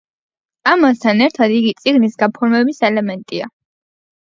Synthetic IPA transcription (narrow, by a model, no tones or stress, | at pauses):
amast̪ʰanɛɾt̪ʰad̪iɡit̪sʼiɡnisɡapʰɔɾmɛbisɛlɛmɛnt̪ʼia